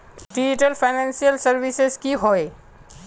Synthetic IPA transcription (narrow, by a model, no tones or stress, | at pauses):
ɖid͡ʒiʈəlpʰaɪnɛnsijəlsəɾbisezkiɦoe